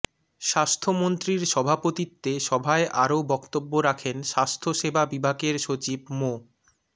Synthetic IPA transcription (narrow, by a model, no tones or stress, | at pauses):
ʃast̪ʰomont̪ɾiɾʃɔbʱapot̪it̪ːeʃɔbʱaeʔaɾobɔkt̪obːoɾakʰenʃast̪ʰoʃebabibʱaɡeɾʃot͡ɕibmo